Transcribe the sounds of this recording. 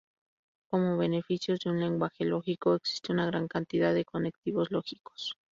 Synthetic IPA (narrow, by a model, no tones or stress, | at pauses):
ko̞mo̞βe̞ne̞fisjo̞zðeunle̞ŋɡwaxe̞lo̞xiko̞eksi̥st̪e̞unaɣ̞ɾaŋkant̪iðaðe̞ko̞ne̞k̚t̪iβo̞zlo̞xi̥ko̥s